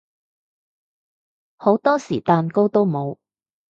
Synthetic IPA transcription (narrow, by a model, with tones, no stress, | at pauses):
ho˨˥wt̪ɔː˥siː˨˩t̪aː˨nko˥wt̪o˥wmo˨˧w